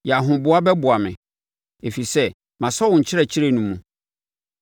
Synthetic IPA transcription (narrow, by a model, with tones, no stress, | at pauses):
jɛ˨a˨ɦʊ̃˨bʊ˦a˦bɛ˦bʊ˨a˨mɪ̰̃˨ | e˨fi˨i˨sɛ˦ | mã˨sɔ˦wʊ̃˨ɲ̩˨t͡ɕʰɪ˦ɾɛ˨t͡ɕʰɪ˦ɾe˦nũ˨mːũ˨